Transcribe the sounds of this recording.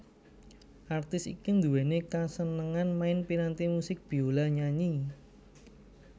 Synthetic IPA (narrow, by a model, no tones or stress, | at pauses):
ʔart̪ɪsḭkund̪uwɛnekasənəŋanmaɪnpiɾant̪imusɪk̚b̥i̤olaɲaɲi